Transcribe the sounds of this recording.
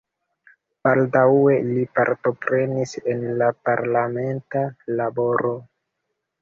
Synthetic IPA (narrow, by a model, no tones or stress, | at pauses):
b̥aldawe̞lipa̰ɾto̞pɾe̞nise̞nlapaɾlame̞ntalabo̞ɾo̞